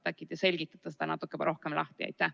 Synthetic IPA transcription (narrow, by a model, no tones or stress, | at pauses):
t̪ækːˑid̪ɑse̞lʲɡ̥it̪ːˑɑ̥t̪ːˑɑsed̪ɑnɑt̪ːˑukːˑebɾʔo̞hkemlʔɑ̰ht̪iɑ̰jt̪ːæh